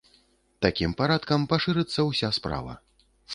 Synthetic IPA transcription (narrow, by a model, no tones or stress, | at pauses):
t̪akʲimpaɾat̪̚kɐmpaʂɨɾɨt̪sːɐwsʲaspɾa̰vɐ̰